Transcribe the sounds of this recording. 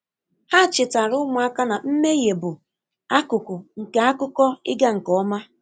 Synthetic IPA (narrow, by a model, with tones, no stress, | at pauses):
ha˦˨t͡ʃɪ˨ta˨ɾʊ˦mʊ˨a˦ka˦na˨m̩˦me˦je˨bʊ˨ | a˦kʊ˨kʊ˨ŋ̩˨ke˨a˦kʊ˦kɔ˦ɪ̰˦ɡa˦ŋ̩˨kɔ˨˦ma˦